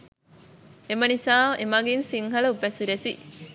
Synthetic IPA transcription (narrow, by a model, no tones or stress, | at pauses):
emɐnisaːʔemɐɡinsiŋɦɐɭɐupæsiɾesi